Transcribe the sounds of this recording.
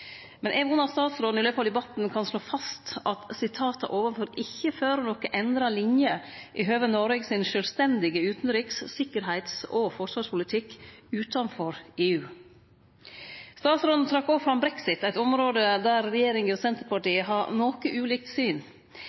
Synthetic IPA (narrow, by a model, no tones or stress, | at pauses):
mɛnʔɛːʋʊnɑst̪ɑːt̪sɾoːd̪nɪløːfɑld̪ɛbɑt̪n̩kʰɑnsloːfɑst̪ʔɑt̪sɪt̪ʰɑːt̪ə̰ʔoːʋənfɔɾɪçːəføːɾnɔkəʔɛnd̪ɾɑlɪnjəʔɪɦøːʋənɔɾeɡsɪnʃœlst̪ɛnd̪ɪɡəʉːt̪n̩ɾʏkssɪkːəɾɦæɪt̪sɔfɔʂʋɑːʂpʊlɪt̪ʰɪkːʉːt̪ɑnfɔɾeːʉː | st̪ɑːt̪sɾoːd̪n̩t̪ʰɾɑkːoːfɾɑmbɾɛksɪt̪æɪt̪ɔmɾoːd̪əd̪æɾːɛjeːɾɪŋəɔsɛnt̪əɾpɑʈiːəɦɑɾnoːkəʔʉːliːk̚t̪syːn